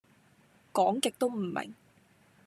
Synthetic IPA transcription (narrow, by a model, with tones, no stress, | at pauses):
kɔː˨˥ŋkɪ˨k̚t̪o˥wm̩˨˩mḛ˨˩ŋ